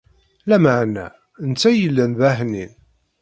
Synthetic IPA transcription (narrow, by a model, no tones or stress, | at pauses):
læməʕnæ̰ | ənt͡sːæjəlːænvæhnin